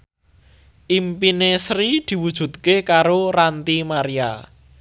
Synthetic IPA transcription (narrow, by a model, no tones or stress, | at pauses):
ʔimpinesɾid̪̥i̤wud̥ʒ̥ṳt̪̚kekaɾorant̪imaɾia̰